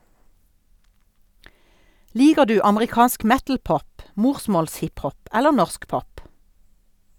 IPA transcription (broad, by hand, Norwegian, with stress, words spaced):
ˈliːɡəʁ ˈdʉː ɑməʁɪˈkɑːnsk ˈmɛtl̩ˌpɔp ˈmuːʁsmɔlsˌhɪphɔp ˈɛlə ˈnɔʁsk ˈpɔp